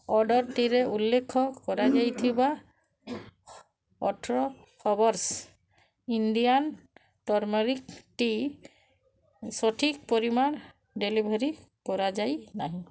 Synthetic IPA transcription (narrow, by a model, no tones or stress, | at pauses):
ɔɖɔɹʈiɾɛulːekʰːɔkɔɹad͡ʒajt̪ʰiba | ɔtʰɹɔ | kʰɔbɔɾs | indijan | tɔɹmɔɹik̚ʈi | sɔʈʰik̚pɔɹiman | ɖelibʱɔɾikɔɹad͡ʒajnaɦĩ